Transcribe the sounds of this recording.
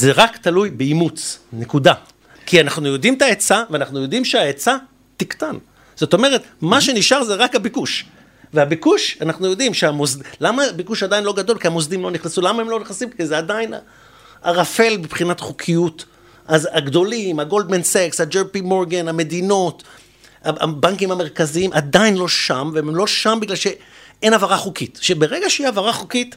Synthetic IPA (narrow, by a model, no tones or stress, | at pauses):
zeʁakt̪alujbeimut͡snekud̪a | kianaχnujo̞dimt̪aet͡saveanaχnujo̞dimʃeaet͡sa | t̪ikt̪an | z̥o̞t̪o̞me̞ʁe̞t̪maʃe̞niʃaʁzeʁakhabikuʃ | veabikuʃanaχnujo̞d̪imʃeamozdlamabikuʃad̪ainlo̞ɡad̪o̞lkiamozd̪imlo̞niχnasulamaemlo̞niχasimkizeadaina̰ | a̰ʁafe̞lbipχinatχukʰijut | ʔazaɡd̪o̞limaɡo̞ld̪mensekshad͡ʒeʁpimoʁɡename̞d̪ino̞t | aʔa̰baŋkimhame̞ʁkaziimʔad̪ajinlo̞ʃamvemlo̞ʃambiɡlalʃe̞ʔe̞navaʁaχukitʃebeʁe̞ɡaʃeiavaʁaχukit